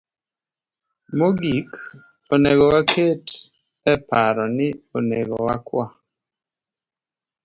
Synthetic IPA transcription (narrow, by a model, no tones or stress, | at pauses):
moɡik | oneɡɔwakʰet | ɛpaɾɔnɪoneɡɔ̰wakwa